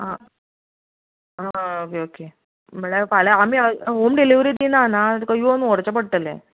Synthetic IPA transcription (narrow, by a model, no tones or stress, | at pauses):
ɦã | ɦaokeoke | m̤əɭefalaamiəɦomɖiliʋɾiːd̪inanat̪ukajonuoɾt͡ɕapəɽ̚t̪əlḛ